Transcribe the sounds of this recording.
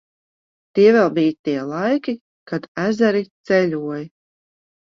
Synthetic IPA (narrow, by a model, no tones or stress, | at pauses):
t̪iɛvɛlˠbijt̪iɛlˠajkʲi | kad̪̥æzæɾit̪sɛlʲuɔj